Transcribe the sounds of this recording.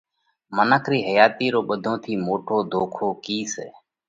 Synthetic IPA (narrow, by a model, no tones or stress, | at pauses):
mənəkʰɾiːɦəjaːt̪iːɾoːɓəd̪ʱõːt̪ʰiːmoːʈʰoːd̪ʱoːkʰoːkiːseː